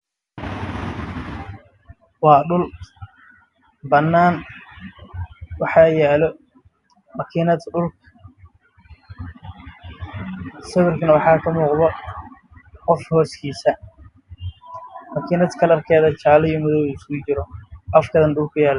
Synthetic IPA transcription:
wɑːɗʊl | bɐnːaːn | wɑħɑːjaːlɔ | mɐkʰiːnɐd̪ɖʊlkʰ | sɐwɪrkʰɐnɐwɑħɑːkʰɐmuːqðɔ | qɔfhɔːskʰiːsɐ | mɐkʰiːnɐd̪kʰɐlɐrkʰɛːðɐt͡ʃaːlɪɔmʊðɔwsɡʊt͡ʃɪɾɔʔɐfkʰɐðɐnɖʊlkʰʊjaːl

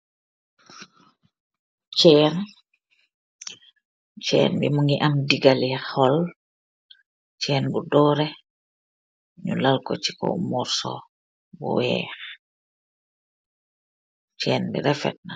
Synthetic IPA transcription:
t͡ʃɛːn | t͡ʃɛ̰ːnbḭmuŋɡiʔamdiɡalɛxɔl | t͡ʃɛːnbudɔːɾɛ | ɲṵlalkɔt͡ʃi̥kɔ̰mɔɾsɔ̰ | bṵwɛ̰ːx | t͡ʃɛːnbḭɾɛfɛ̰t̚na

